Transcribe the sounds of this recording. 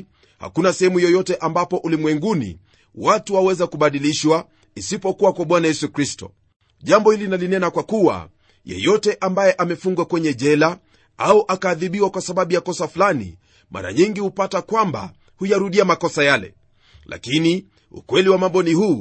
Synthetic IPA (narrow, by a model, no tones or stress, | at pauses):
ha̰kunasɛhɛmujɔjɔtɛʔambapɔʔulimwɛŋɡunḭ | watuawɛzakuɓaɗiliʃwa | isipɔkuwakwaɓwanajɛsukɾistɔ̰ | ʄambɔhilinalinɛnakwakuwa̰ | jɛ̰jɔtɛʔambajɛʔamɛfuŋɡwakwɛɲɛʄɛla | auʔakaːðiɓiwakwasaɓaɓujakɔsafulanḭ | mʔa̰ɾa̰ɲiŋɡihupatakwamba̰ | hujaɾuɗiamakɔsajalɛ̰ | la̰kini | ṵkwɛliwamambɔnihuː